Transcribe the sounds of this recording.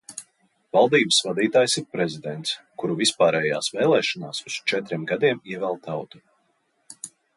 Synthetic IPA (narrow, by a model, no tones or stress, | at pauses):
valˠd̪iːbəsvad̪iːt̪aːjsiɾpɾɛzid̪ɛnt̪s | kuɾuvispaːɾɛːjaːsvɛːlˠɛːʃɔnaːsust͡ʃɛt̪ɾʲiɛmɡad̪iɛmiɛvɛlˠt̪ʰawt̪u̥